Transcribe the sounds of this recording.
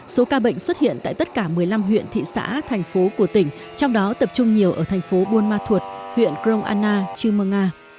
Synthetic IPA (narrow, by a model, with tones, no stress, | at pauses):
so˨˦kaː˧ɓə̰˧˨ŋ̟swə˦˥t̚hḭ˧˨ənt̪a̰ː˧˨jt̪ə˦˥t̚kaː˧˩mɨ˨˩əjla˧mɦwḭ˧˨ənt̪ʰḭ˧˨sa̰ː˧˥t̪ʰɛ˨˩jŋ̟fo˨˦ku˧˩ət̪ï˧˩ŋ̟ | t͡ɕɔ˧wŋ͡mɗɔ˨˦t̪ə˨˩p̚t͡ɕʊ˧ŋ͡mɲi˨˩əwʔəː˧˩t̪ʰjŋ̟fo˨˦ɓo˧nmaː˧t̪ʰu˨˩ət̚hwḭ˧˨ənkɾə˧wŋ͡mʔa̰ː˧nːaː˧t͡ɕɨ˧məː˧ŋaː˧